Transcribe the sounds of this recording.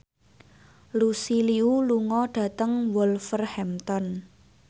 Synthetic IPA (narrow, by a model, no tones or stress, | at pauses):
lusiliuluŋɔɖ̥ä̤t̪əŋwɔlfərhɛmt̪ɔn